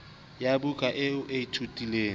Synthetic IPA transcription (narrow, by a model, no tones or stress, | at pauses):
jabukʼaʔɪʊʔeitʰutʼileː